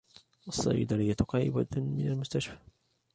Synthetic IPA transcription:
ʔɑsˤːɑ̰jɪd̪aɾɪjːat̪qɑːʔɪbamɪnalmʊst̪aʃfḁ

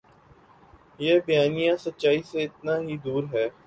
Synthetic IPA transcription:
jeːbɐjaːnijãsɐtːʃaːiseɪt̪naɦid̪uːɾɦɛː

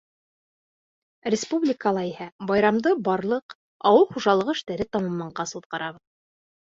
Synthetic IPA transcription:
rʲɪspublʲɪkəlˠɑihæbɑjɾɑmd̪ɤbɑɾlˠɤq | ɑwɤlˠχuʒɑlˠɤʁɤɘ̆ʃt̪æɾɘt̪ɑmɑmːɑɴɢɑsut̪̚qɑɾʔɑβɤð

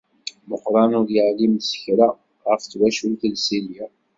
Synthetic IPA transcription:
mʊχɾˤɑnʊɾjəʕlimsə̥çɾa | ʁəft͡swæʃulθəlsilja

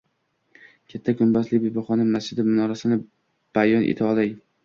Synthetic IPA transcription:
kʲʰat̪ʰːakʰʊmbazlɪkʲbebɒχɒnamasd͡ʒɪd̪ɪmʊnɒɾasɪnɪ | b̥ajɒnʔḛt̪ʰɪɒlaj

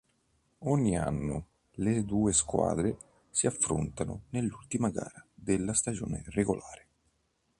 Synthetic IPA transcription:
ɔɲːia̰nːʊ | led̪uːeskwa̰ːd̪ɾe | siafːɾo̰nt̪anʊ̰nelːult̪imaɡa̰ːɾad̪elːast̪ad͡ʒoːnḛreɡolʔaːɾe

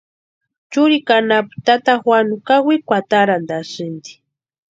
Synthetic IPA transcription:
t͡ʃʊɾikanapt̪at̪axwanʊkawikʷat̪aɾand̪aʃɪnd̪i̥

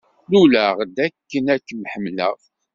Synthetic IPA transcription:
lulæʁd̪ækːənækːmħəmlə̰ʁ

